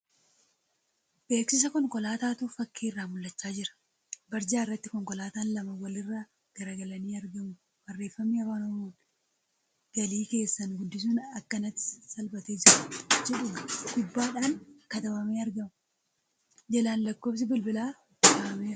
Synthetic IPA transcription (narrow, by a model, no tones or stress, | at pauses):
b̥e̞ːksɪs̬ɐkɔŋkɔlaːt̪aːt̪ʊfɐkʰːiːrːaːmʊlːɐt͡ʃːaːd͡ʒɪɾɐ̥ | bɐɾd͡ʒaːɪrːɐt̪ːɪkɔŋkɔlaːt̪aːnlɐmɐwɐlɪrːaː | ɡ̥ɐɾɐɡɐlɐniːɐɾɡɐmʊ | bɐrːe̞ːfːɐmːiːɐwaːnɐmuːᶑ | ɡ̥ɐliːke̞ːsːɐnɡʊd̪ːɪs̬uːnɐkːɐnɐt̪ːɪ̥sɐlbɐt̪eːd͡ʒɪɾɐd͡ʒɛᶑʊɡ̥ʊbːaːᶑaːnkɐt̪ɐmɐmeːɐɾɡɐmʊ | d͡ʒɛlaːnlɐkːo̞ːps̬ɪbɪlbɪlaː | t̪ɐmɐmeː